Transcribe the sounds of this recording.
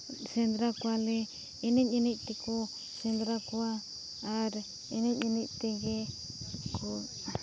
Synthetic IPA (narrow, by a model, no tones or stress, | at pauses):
send̪ɾakʷale | inĩɲĩnĩt̪iku | send̪ɾakʷaː | ɾ | inĩɲĩnĩt̪iŋɡe | ko